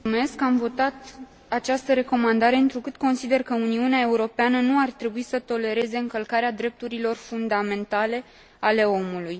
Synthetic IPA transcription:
me̞skamvo̞t̪at̪ | at͡ʃast̪əɾe̞ko̞mand̪aɾe̞ɨnt̪ɾukɨt̪ko̞nsid̪e̞rkəuniuneae̞uɾo̞peanənuart̪ɾe̞buisət̪o̞le̞ɾe̞ze̞ɨŋkəlkaɾead̪ɾe̞p̚t̪uɾilo̞rfund̪ame̞nt̪ale̞ | ale̞o̞muluj

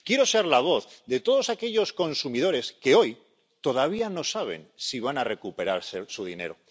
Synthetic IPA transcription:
kje̞ɾose̞ɾlaβ̞o̞θðe̞t̪o̞ð̞o̞sakeʎo̞sko̞nsumið̞o̞ɾe̞ske̞o̞j | t̪o̞ð̞aβ̞iano̞saβ̞e̞̰nsiβ̞anare̞kupe̞ɾaɾsesuð̞ine̞̰ɾo̞̰

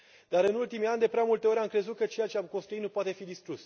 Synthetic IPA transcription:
d̪aɾɨnult̪imianʲd̪e̞pɾeamult̪e̞o̞ɾʲamkɾe̞zut̪̚kət͡ʃe̞jat͡ʃeamko̞nst̪ɾuit̪nupoat̪e̞fid̪ist̪ɾus

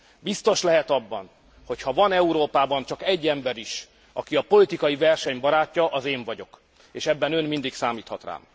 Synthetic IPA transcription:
bist̪o̞ʃlɛɦɛt̪ɒbːɒ̰n | ho̞chɒvɒnɛuɾoːpaːbɒnt͡ʃɒkɛɟːɛmbɛɾiʃ | ʔɒ̰kiɒpo̞lit̪ikɒjivɛrʃɛɲbɒɾaːcːɒʔɒzeːɱvɒɟo̞k | eːʃɛbːɛnø̞nmind̪iksaːmiːt̪hɒt̪ra̰ːm

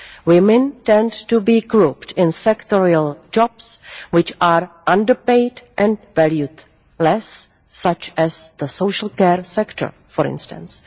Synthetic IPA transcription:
wɪmɪ̃ntɛ̃ndtubiɡɹuptɪ̃nsɛktɔɹiald͡ʒɔbswɪt͡ʃʔaːɹʔãndəɹpeɪdʔɛ̃ntvɛljud | lɛsː | at͡ʃɛzðəsowʃl̩kɛɹsɛktʰə̰ɹ | fɔɾɪ̰̃nstə̰̃ns

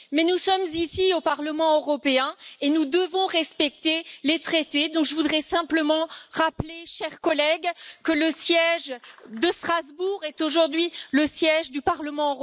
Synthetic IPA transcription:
mɛnusɔmzisiopaʁləmɑ̃øʁɔpeɛ̃enud̪əvɔ̃ʁɛspɛk̚t̪elet̪χet̪ed̪ɔ̃kʒəvud̪ʁɛsɛ̃pləmɑ̃ʁapleʃɛʁkɔlɛɡkələsjɛʒd̪əst̪χazbuʁɛt̪oʒuʁd̪ɥiləsjɛʒd̪ypaʁləmɑ̃øʁɔ

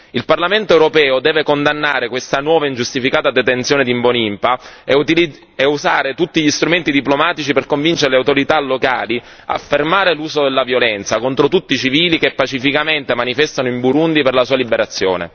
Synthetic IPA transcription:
ilparlament̪oɛwɾopɛːod̪ɛːvekond̪anːaːɾekwest̪anwɔːvaind͡ʒust̪ifikaːt̪ad̪et̪ent̪sjoːned̪imbonimpa | eusaːɾet̪ut̪ːiʎist̪ɾument̪id̪iplomaːt̪it͡ʃiperkoɱvint͡ʃeɾeleawt̪oɾit̪alːoka̰ːli | a̰fːermaːɾeluːsod̪elːavjolɛnt̪sakont̪ɾot̪ut̪ːit͡ʃiviːlikepːat͡ʃifikament̪emanifɛst̪anoimbuɾund̪iperlasuːalibeɾat̪sːjoːnḛ

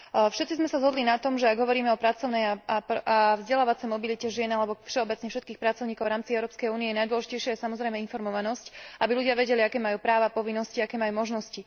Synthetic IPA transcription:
fʃɛt̪t͡sizmɛsazɦɔd̪linat̪ɔmʒɛaɡɦɔʋɔɾiːmɛɔpɾat͡sɔʊnɛjaaavzɟɛlaːʋat͡sɛjmɔbilicɛʒɪɛnalɛbɔfʃɛɔbɛt͡sɲɛfʃɛt̪̚kiːxpɾat͡sɔʊɲiːkɔʊɾaːmt͡siɛʊɾɔːpskɛjuːniɛjnajd̪wɔlɛʒicɛjʃɪajɛsamɔzɾɛjmɛinfɔɾmɔʋanɔscʔabiluɟɪaʋɛɟɛliakɛːmajuːpɾaːʋapɔʋinːɔsciakɛːmajuːmɔʒnɔsci

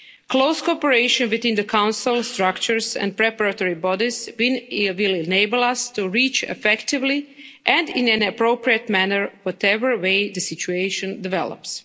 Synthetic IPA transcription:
kloʊskopəɾeɪʃɔ̃nbɪt̪ĩnd̪əkʰãw̃nsɪlˠst̪ɾakt͡ʃəɹsɛ̰̃nd̚pɾɛpaɾat̪oɾibɔdis | ʋilˠɛneɪbəl̩ˠast̪uɾit͡ʃɛ̰fɛkt̪ɪʋliʔɛ̃ndɪ̃næ̃napɾoʊpɹiət̪mænəɹwɔt̪ɛʋəɹweɪd̪əsɪt͡ʃueɪʃə̃ndɛʋɛ̰lˠo̰ps

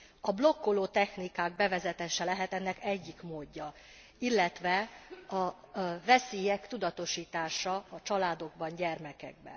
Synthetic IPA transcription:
ɒblo̞kːoloːt̪ɛxnikaːɡ̚bɛvɛzɛt̪ɛʃɛlɛɦɛt̪ɛnːɛkɛɟːikmoːɟːɒ | ilːɛt̪ʋɛɒ | vɛseːjɛkt̪ud̪ɒt̪o̞ʃiːt̪aːʃɒɒt͡ʃɒlaːd̪o̞ɡ̚bɒɲɟɛrmɛkɛ̰ɡ̚bɛ̰

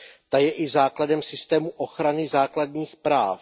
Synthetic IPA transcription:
t̪ajɛʔɪzaːkladɛmsɪst̪ɛːmuʔo̞xɾanɪzaːkladɲiːxpɾaːf

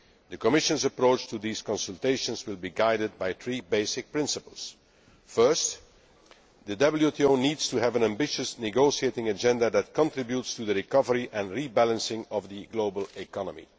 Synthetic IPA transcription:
ðəkɔmɪʃə̃nzəpɹoʊt͡ʃtuðiːz̥kɔ̃nsəlˠteɪʃə̃nzwɪlˠbiɡaɪdɨd̚baɪθɹiːbeɪsɪk̚pɹɪ̃nsəpəlˠs | fɜ˞st | d̪ədʌbl̩ˠjutioʊniːdstuævə̃næ̃mbɪʃəsnɪɡoʊsieɪtɪ̃ŋɨd͡ʒɛ̃ndaðæt̚kʰə̃ntɹɪbjutstuðəɹɪkʌvəɹiʔɛ̃nɹibælə̃nsɪ̃ŋɔvðiɡloʊbəlˠɪkɑnəmḭ

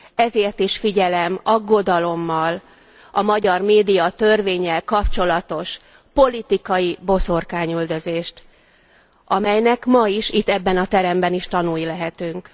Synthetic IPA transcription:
ɛzeːrt̪iʃfiɟɛlɛmɒɡːo̞d̪ɒlo̞mːɒl | ɒmɒɟɒrmeːd̪ijɒt̪ørveːɲːɛlkɒpt͡ʃo̞lɒt̪o̞ʃ | po̞lit̪ikɒjibo̞so̞rkaːɲyld̪ø̞zeːʃt̪ | ɒmɛjnɛkmɒiʃit̪ːɛbːɛnɒt̪ɛɾɛmbɛniʃt̪ɒnuːjilɛɦɛt̪yŋk

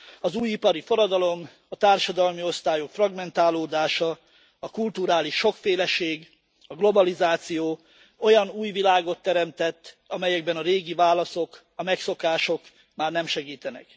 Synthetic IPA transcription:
ɒzuːjipɒɾifo̞ɾɒd̪ɒlo̞m | ɒt̪aːrʃɒd̪ɒlmio̞st̪aːjo̞kfrɒɡmɛn̪t̪aːloːd̪aːʃɒ | ɒkult̪uɾaːliʃːo̞kfeːlɛʃeːɡ | ɒɡlo̞bɒlizaːt̪sijoː | o̞jɒnuːjvilaːɡo̞t̪ːɛɾɛmt̪ɛt̪ː | ɒmɛjɛɡbɛnɒɾeːɡivaːlɒso̞k | ɒmɛkso̞kaːʃo̞k | maːrnɛmʃɛɡiːt̪ɛnɛ̰k

